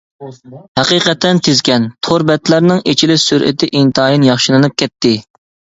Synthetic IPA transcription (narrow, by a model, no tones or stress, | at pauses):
hæqiqɛt̪ʰːɛnt̪ʰezkʲɛnt̪ʰoɾbɛt̪ʰlæɾnɪŋet͡ʃʰilɪsyɾʔɪ̰t̪ʰɪʔiŋt̪ʰɑɑːjinjɑχʃilˠɨnɨp̚kʲʰɛt̪ʰːɪ